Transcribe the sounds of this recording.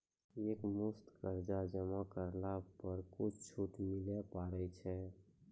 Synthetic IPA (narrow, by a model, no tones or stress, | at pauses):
eːkmʊst̪kəɾd͡ʒad͡ʒəmakəɾlapəɾkʊt͡ʃʰt͡ʃʰuʈ̪milɛpaɾɛt͡ʃʰɛ